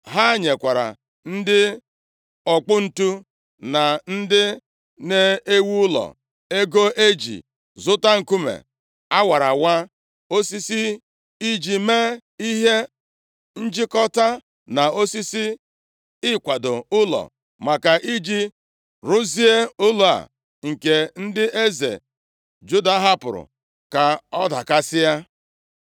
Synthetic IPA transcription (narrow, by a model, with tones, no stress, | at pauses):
ɦa˦ɲe˨kʷa˨ɾa̰˨ | n̩˦dɪ˦ | ɔ˨k͡pʊ˦n̩˨tu˦ | na˨n̩˦dɪ˦ | ne˦e˦wu˦ʊ˦lɔ̰˨ | e˦ɡo˦ʔe˦d͡ʒḭ˨ | zʊ˦ta˦ŋ̩˨ku˦mḛ˨ | a˦wa˨ɾa˨wa˦ | o˦si˦si˦ | i˦d͡ʒi˨me˦i˦ɦe˦ | n̩˦d͡ʒɪ˦kɔ˦ta˦ | na˨o˦si˦si˦ | ɪ˦kʷa˨do˨ʊ˦lɔ̰˨ | ma˨ka˨ʔi˦d͡ʒi˦ | ɾʊ˦zi˦e˦ʊ˦lo˨a̰˨ | ŋ̩˨ke˨n̩˦dɪ˦e˦zḛ˨ | d͡ʒu˦da˦ɦa˦pʊ̰˨ɾʊ̰˨ | ka˨ɔ˦da˨ka˦sɪ˦ja˦